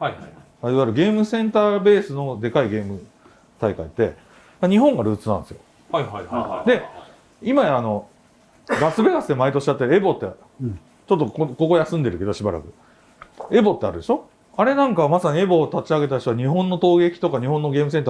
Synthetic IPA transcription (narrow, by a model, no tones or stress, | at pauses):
aiβaɾɯ̟ɡe̞ːmɯ̟sẽ̞nt̪aːbe̞ːsɨno̞d̪e̞kaiɡe̞ːmɯ̟ | t̪aikait̪ːe̞̰ | aɲ̟iɦõ̞ŋɡaɾɯ̟ːt͡sɨnã̰nd̪esɨjo | d̪e̞ | imaano̞ | ɡasɨbeɡasɨd̪e̞mait̪o̞ɕi̥at̪ːeɾebo̞t̪ːe | t͡ɕot̪ːokoko̞ko̞jasɨ̃nd̪e̞ɾɯ̟ke̞d̪o̞ɕibaɾa̰kɯ̟ | e̞bo̞t̪ːe̞aɾɯd̪e̞ɕo̞ | aɾe̞nãŋkaβmasaɲ̟ie̞bo̞ːt̪at͡ɕiaɡe̞t̪aɕoaɲ̟iɦõ̞nːo̞t̪o̞ːɡe̞kʲi̥t̪o̞kaɲ̟ihõ̞nːo̞ɡe̞ːmɯ̟s̬e̞nt̪a